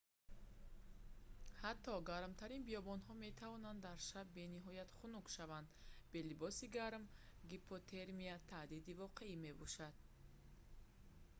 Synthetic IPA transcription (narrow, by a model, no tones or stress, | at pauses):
hat̪ʰːɔɡaɾmt̪ʰaɾinbiɔbɔnɦɔme̞t̪ʰavɔnand̪ːaɾʃabːe̞niɦɔjat̪χunukʃavand̪be̞libɔsiɡaɾmɡipʰot̪ʰe̞ɾmiat̪ʰad̪id̪ivɔqʰe̞ime̞bɔʃad̪̥̚